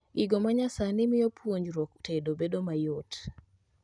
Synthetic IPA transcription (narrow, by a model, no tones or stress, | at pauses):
ɡɪɡomaɲasanɪmɪjɔpʰwoɲd͡ʒɾɔktʰedobedomajot